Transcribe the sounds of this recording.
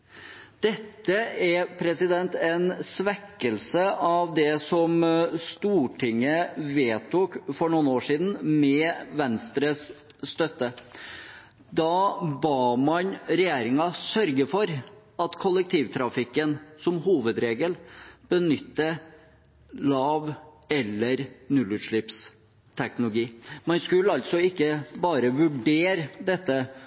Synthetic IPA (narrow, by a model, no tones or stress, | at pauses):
d̪̥ɛt̪ːəɛpʰɾɛsɪd̪ɛnt̪ɛnsʋɛkːəlsəʔɑʋd̪ɛsɔmst̪uːʈʰɪŋːəʋeːt̪ʰuːkfɔɳʊːnoːʂiːd̪n̩mɛʋɛnst̪ɾəsː | t̪œt̪ːə | d̪ɑbɑːmɑnɾɛjeːɾɪŋɑsœɾɡəfɔɾɑt̪kʰʊlːək̚t̪ʰiːʋt̪ʰɾɑfɪkːənsɔmhuːʋəd̪ɾeːɡəlb̥ənʏt̪ːə | lɑːʋ | ɛlːəɾnʉlʉːt̪ʂɭɪps | t̪ʰɛknʊlʊɡiːmɑnskʉlːəɑlt̪sɔɪkːəbɑːɾəʋʉɖeːɾd̪ɛt̪ːə